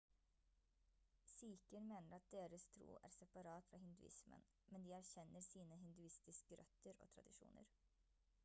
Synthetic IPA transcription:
siːkənmeːnəɾɑt̪̚d̪eːɾəst̪ʰɾṵːʔæ̰ːɾsɛpɑɾɑːt̪fɾɑːhɪnd̪ʉ̰ʔɪ̰smə̰n | mɛnd̪iːæɾçɛnːəɾsiːnəɦɪnd̪ʉɪst̪ɪskəɾʔœ̰t̪əɾo̰ːt̪ʰɾɑ̰d̪ɪʂṵːnə̰ɾ

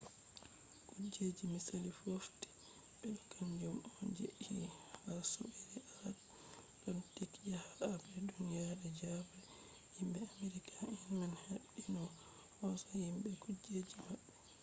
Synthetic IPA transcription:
kud͡ʒed͡ʒimisalifofti̥ | ɓɛɗɔkʰamd͡ʒumod͡ʒḛʔhihaso̰bɛɾɛʔalat | ɗɔntikjahaːbɛdunijaɾɛd͡ʒaba | himbɛameɾikʰainmanhaɓinɔ | hɔsɔhimbɛkud͡ʒed͡ʒimaɓːɛ

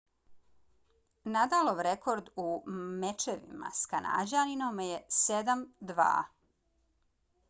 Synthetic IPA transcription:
nad̪aloʋɾekʰoɾd̪umet͡ʃeʋḭma̰skana̰ːd͡ʑaninomjesed̪amd̪ʋa̰ː

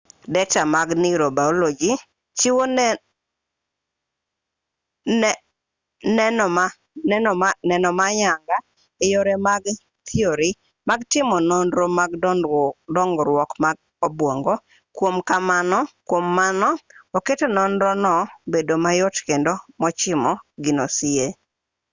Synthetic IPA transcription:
dɛt͡ʃamaɡniɾobaolod͡ʒi | t͡ʃiwo | nɛnɔma | nɛnɔmaɲaŋɡa | ejoɾemaɡ | t̪ʰioɾi | maɡtɪmɔnɔnɾomaɡ | dɔŋɡɾwɔkmaɡ | obwɔŋɡɔ | kwomkamanɔkwomːanɔoketenɔnɾɔnɔbedomajotkendomɔt͡ʃɪmɔɡinosie

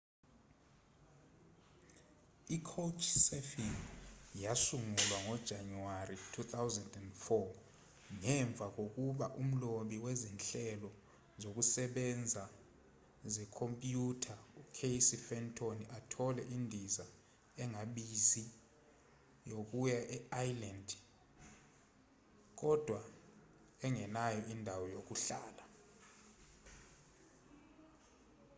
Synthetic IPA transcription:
ikʰowt͡ʃʰsɛfinjasuŋulwaŋɔd̥ʒ̥ʱanuwaritʰut̪awzɛndɛndfɔ | ŋɛɱb̪vʱak̬ok̬uɓaʔum̩loɓiwɛzinɬɛlɔ | zok̬usɛɓɛnd͡zʱa | zɛkʰompʼjutʰaukʰejsifɛntʰʼoniʔatʰɔlɛʔindʱiza | ɛŋaɓizi | jok̬ujaʔɛajlandʱ | k̬ɔd̥ʱwa | ɛŋɛnajɔʔindʱawɔjok̬uɬaːla

